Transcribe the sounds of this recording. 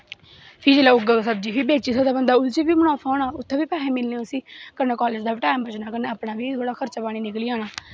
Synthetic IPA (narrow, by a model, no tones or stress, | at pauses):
pʰɪd͡ʒeːlaːʊɡaːsəb̚d͡ʒiːpʰɪbeːt͡ʃiːsəːd̪aːbənd̪aːʊlt͡ʃiːbiːmənaːpʰaːnaːʊt̪ʰːẽːbiːpɛːẽːmɪlnẽʊsĩːkəɾnaːkɔːleːd͡ʒd̪aːʈaːɪmbət͡ʃnaːkənaːpnaːʋiːbəɽaːkʰəɾt͡ʃaːpaːɽ̃iːnɪkliːaːnaː